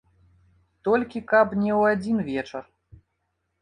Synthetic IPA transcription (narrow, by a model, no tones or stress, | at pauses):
t̪ɔlʲkʲikapnʲɛwad͡zʲinvʲɛt͡ʂɐr